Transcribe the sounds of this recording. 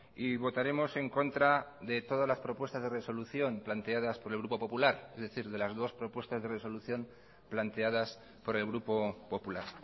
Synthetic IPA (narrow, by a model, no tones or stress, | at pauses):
iβo̞t̪aɾe̞mo̞se̞ŋko̞nt̪ɾaðe̞t̪o̞ð̞azlaspɾo̞pwest̪azðe̞reso̞luθjo̞mplant̪e̞aðaspo̞ɾe̞lɣɾupo̞po̞pulaɾezðe̞θiɾðe̞lazðo̞spɾo̞pwe̞st̪azðe̞re̞so̞luθjo̞m | plant̪e̞að̞as | po̞ɾe̞lɣ̞ɾupo̞po̞pulaɾ